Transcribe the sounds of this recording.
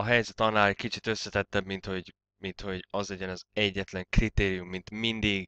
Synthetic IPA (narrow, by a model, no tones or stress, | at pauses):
ɒɦɛjzɛt̪ɒnːaːlɛckit͡ʃit̪øsːɛt̪ɛt̪ːɛbmint̪ho̞ɟ | mint̪ho̞ɟɒzlɛɟɛnɒzɛɟːɛt̪lɛŋkrit̪eːɾijumːint̪mind̪iɡ